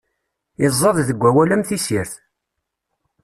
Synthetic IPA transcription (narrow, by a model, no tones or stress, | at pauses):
ɪzˤːɑðˤðəɡʷːæwælæmθisiɾθ